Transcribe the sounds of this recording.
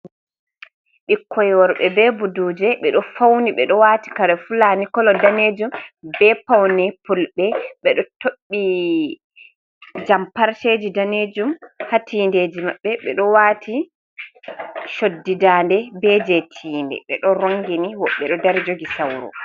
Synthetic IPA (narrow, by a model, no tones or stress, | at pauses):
ɓikʰːɔjwɔɾɓɛbɛbuduːd͡ʒɛɓɛɗɔfawniɓɛɗɔwaːti̥kaɾɛfulanikɔlɔdaned͡ʒumbɛpawnɛpulɓɛɓɛɗɔtoɓːi | d͡ʒampaɾted͡ʒidaned͡ʒumhatʰiːndeːd͡ʒimaɓːɛɓɛɗɔwaːtʰi | ʃodːidandɛbɛd͡ʒetʰiːndɛ̰ɓɛ̰ɗɔɾoŋɡiniwɔɓːɛɗɔdaɾd͡ʒoɡisawɾɔ̰